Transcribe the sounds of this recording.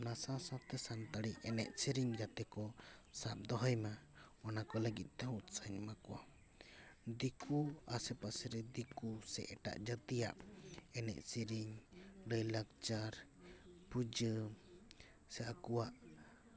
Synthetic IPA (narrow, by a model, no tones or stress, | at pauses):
nasãsat̪ɛsant̪aɽiʔɛnɛ̰ʔsiɾiŋd͡ʒat̪ɛkɔsap̪̚d̪ɔɦɔjmaɔnakɔləɡit̪̚ˀt̪ɛɦut̪saɲmakɔwa̰ | d̪ikuasɛpasɛɾɛd̪ikusɛ̰ʔɛʈa̰ʔd͡ʒət̪ija̰ʔɛnɛ̰ʔsiɾiɲɖəjlak̚t͡ʃaɾpud͡ʒə | sɛʔakɔwaʔ